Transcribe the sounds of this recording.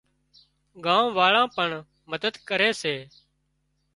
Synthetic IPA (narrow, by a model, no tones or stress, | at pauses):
ɡãːʋʋaːɭãːpəɳ | məd̪əd̪kəɾeːseː